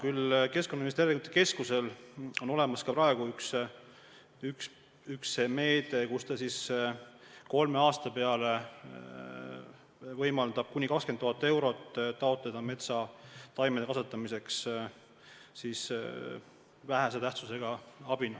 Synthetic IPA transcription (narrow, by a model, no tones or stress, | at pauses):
kylke̞skonːɑimist̪erikut̪ːˑeke̞skuse̞lo̞no̞le̞mɑskɑprɾɑe̞ɡ̥uyks | yks | yksːeme̞ːd̪̥e̞kust̪ɑsis | ko̞lme̞ɑːst̪ɑpe̞ɑle | vɤjmɑld̪ɑb̥̚kunʲikɑkskent̪ːuhɑt̪ːˑe̞wɾo̞t̪ːt̪ːɑo̞t̪ˑled̪̥ɑme̞t̪sɑt̪ɑjmed̪kɑsut̪ːˑɑmise̞ks | sis | væɦæs̬et̪æht̪suse̞ɡ̥ɑɑb̥inɑ